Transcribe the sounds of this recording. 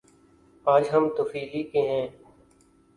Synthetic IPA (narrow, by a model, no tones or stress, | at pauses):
aːd͡ʒɦəmt̪ʊfiːliːkẽːɦɛ̃ː